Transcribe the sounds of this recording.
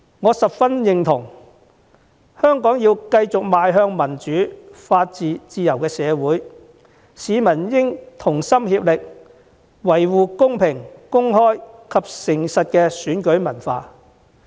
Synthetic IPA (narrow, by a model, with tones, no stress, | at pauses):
ŋɔː˨˧sɐ˨p̚fɐ˥njɪ˨ŋt̪ʰʊ˨˩ŋ | hœː˥ŋkɔː˨˥ŋjiː˧wkɐ˧jt͡sʊ˨k̚maː˨˧jɦœː˧ŋmɐ˨˩nt͡ʃyː˨˥faː˧t̚t͡siː˨t͡siː˧jɐ˨˩wkɛː˧sɛː˨˧wuː˨˥j | siː˨˧mɐ˨˩njɪ˥ŋt̪ʰʊ˨˩ŋsɐ˥mhiː˧p̚lɪ˨k̚ | wɐ˨˩jwuː˨kʊ˥ŋpʰɪ˨˩ŋkʊ˥ŋɦɔː˥jkʰɐ˨p̚sɪ˨˩ŋsɐ˨t̚kɛ˧syː˨˥nkɵ˨˥ɥmɐ˨˩nfaː˧